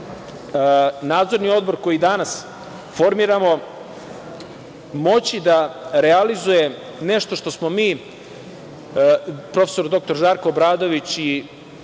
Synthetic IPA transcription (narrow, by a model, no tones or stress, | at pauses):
naːd̪zo̞ɾnio̞d̪bo̞ɾko̞jid̪anas | fo̞ɾmiːɾamo̞ | mo̞t͡ɕid̪aɾealizuje̞ | ne̞ʃt̪o̞ʃt̪o̞smo̞miː | pɾo̞fesoɾd̪o̞k̚t̪o̞ɾʒaːɾkoːbɾaːd̪o̞ʋit͡ɕi